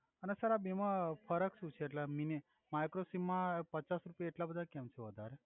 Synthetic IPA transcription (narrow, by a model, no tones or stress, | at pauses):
ənesəɾabemãfʰəɾəkʃũt͡ʃʰeːʈlamine | majkɾosimːãpət͡ʃasɾupjaeʈlabəd̪ʱakɛmt͡ʃʰeʋəd̪ʱaɾe